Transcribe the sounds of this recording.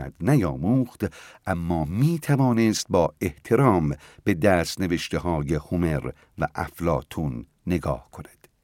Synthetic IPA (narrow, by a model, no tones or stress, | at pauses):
æ̰d̪̥næjɒːmuːχt̪ʔæmːɒːmiːt̪ʰævɒːnest̪̚bɒːe̞ht̪ʰe̞ɾɒːmbe̞d̪æːst̪ne̞ve̞ʃt̪eɦɒːjehome̞ɾ | væʔæ̰flɒːt̪ʰunː | e̞ɡɒ̰ːhkʰo̞næ̥d̪̥